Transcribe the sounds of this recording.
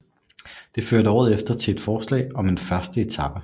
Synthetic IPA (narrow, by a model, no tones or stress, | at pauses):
d̥e̝føɐɾəɒ̰ːð̞̩ˠefd̥ɐt͡sʰe̝e̝d̥fɒːslɛ̰ːɪɒ̽me̝nfɶɐsd̥əe̝t͡sʰɑ̈b̥ə